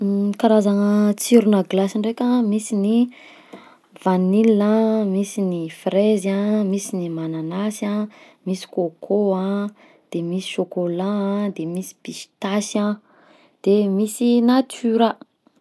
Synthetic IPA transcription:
kaɾazanət͡siɾunəɡlasiɳɖ͡ʐekʲamisini | vanilamisinifrezamisinimananasa | misi̥kokʰoã | d̪̥emisi̥ʃokolad̪emisi̥pist̪asa | d̪̥emisinat̪yɾa

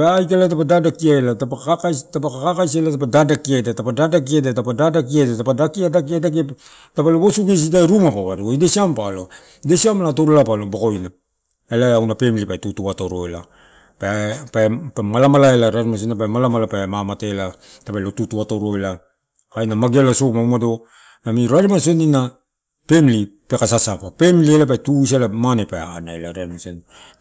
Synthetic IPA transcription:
paajkalat̬apadadakiaelatapaakatapakakakajselatapadadakiadatapadadak̬iadatapadadak̬iaedatapadakiadakiadak̬e | tapaloɡosuɡes̬itaeɾumapaβaɾuoidesiampalo̞ | idesiamlato̞ɾolapaloboko̞jna | elaawnapemlipaetutuato̞ɾoela̰ | pepapamalamalaelaɾaɾimas̬oniapamalamalapamamatela | tapalotutuatoɾo̞ela | kajnamaɡelasokmaumado̞ | namiɾaɾimasonina | pe̞mli | pekasasapape̞mlielap̬ajtus̬elamanepaanaelaɾeaɾmason

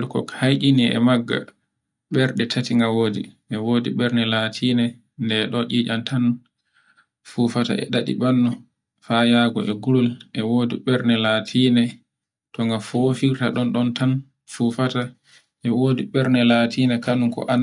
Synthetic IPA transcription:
lkɔ̰khajɗiniʔɛ̰maɡːa̰ | ɓɛɾɗɛtʰatiŋɡawoːdḭʔɛwodiɓɛɾnɛlatʰiːnɛ | ndɛɗɔʔiːd͡ʒantʰan | fufata̰ʔɛ̰ɗaɗḭɓanːɔ | fajaɡɔ̰ʔɛɡuɾulʔɛwoːdiɓɛɾnɛlatʰiːnɛ | tɔŋɡafofiɾtaɗɔnɗɔntan | fufata | ʔɛwoːdiɓɛɾnɛlatʰiːnɛkanuŋkɔ̰ʔan

